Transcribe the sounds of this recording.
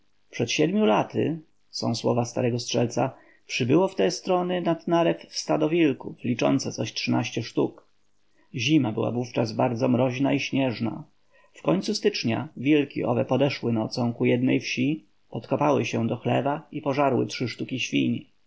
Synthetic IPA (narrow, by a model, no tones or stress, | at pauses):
pʂɛt̪ɕɛd̪mʲulat̪ʰɘ̰ | sɔ̰̃w̃swɔvast̪a̰ɾɛɡɔstʂɛlt̪sa | pʂɘbɘwɔft̪ɛst̪ɾɔnɘnat̪naɾɛffst̪ad̪ɔvʲilkuflʲit͡ʂɔ̰nt̪sɛt̪sɔɕtʂɘnaɕt͡ɕɛʂt̪uk | ʑimabɘ̰wa̰vuft͡ʂazbaɾd̪zɔmɾɔʑnaiɕɲɛʐna̰ | fkɔɲt̪sust̪ɘt͡ʂɲa̰vʲjɛlkʲḭʔɔ̰vɛpɔd̪ɛʂwɘnɔt̪sɔ̃w̃kujɛd̪nɛjfɕi | ɔt̪kɔpawɘɕɛd̪ɔxlɛvaipɔʐaɾwɘ̰tʂɘʂt̪ukʲiɕfʲḭɲ